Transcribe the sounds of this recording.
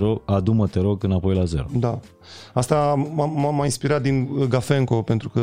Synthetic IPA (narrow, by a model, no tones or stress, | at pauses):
ɾoad̪umət̪eɾo̞ɡɨnapo̞jlaze̞ɾod̪a | ast̪aamamːajinspiɾat̪̚d̪inɡafeŋko̞pe̞nt̪ɾukə